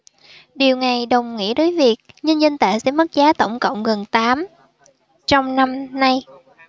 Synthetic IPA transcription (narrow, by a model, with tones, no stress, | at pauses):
ɗi˨˩əwŋa˨˩jɗə˨˩wŋ͡mŋḭ˧˥əɗəː˨˦jvi˨˩ək̚ɲɨ˧nzə˧nt̪a̰ː˧˨jsɛ̰˧˥mə˦˥t̚zaː˨˦t̪ə˧˩wŋ͡mkə̰˧˨wŋ͡mɣə˨˩nt̪aː˨˦m | t͡ɕɔ˧wŋ͡mna˧mna˧j